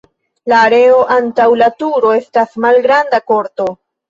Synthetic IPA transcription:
laːɾe̞o̞ʔantawlatuɾo̞e̞stasmalɡɾandako̞ɾto̞

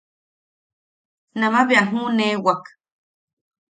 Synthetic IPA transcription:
nãmãbeaɦũnẽwak

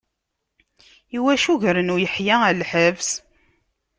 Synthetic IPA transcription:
iwæʃuʝɾənujəħjaælħəvs

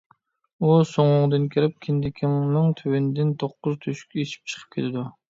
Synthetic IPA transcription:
usoŋʊŋd̪ɨnkʲʰiɾɪp̚kʲʰɪnd̪ɪkʲʰɪmnɨŋt̪ʰywɪnd̪ɪnt̪ʰoqːʊzt̪ʰøʃy̥kʲet͡ʃʰi̥p̚t͡ʃʰə̥qʰə̥p̚kʲʰet̪ʰɪd̪u

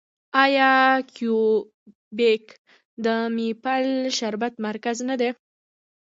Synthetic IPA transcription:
ɑjɑkju | bek | d̪əmipalʃaɾbat̪maɾkaznad̪e

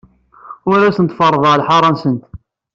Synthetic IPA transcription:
ʊɾæsənt̪fɑrˤːəðˤəʁlħɑɾˤɑnsənt̪

